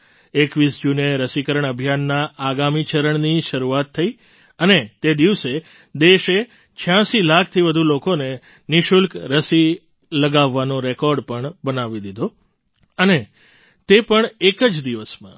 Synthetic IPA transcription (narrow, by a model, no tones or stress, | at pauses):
ekʋisd͡ʒuneɾəsikəɾəɳ̃əbʱjanːaːɡamit͡ʃəɾəɳniʃəɾuat̪ʰːəi | ənet̪ed̪iʋse | d̪eʃe | t͡ʃʰjãsilakʰt̪ʰiʋəd̪ʱulokone | niʃʊlkɾəsi | ləɡaʋːanoɾekɔɾɖpəɳbənaʋid̪id̪ʱo | əne | t̪epəɳekəd͡ʒd̪iʋəsmã̰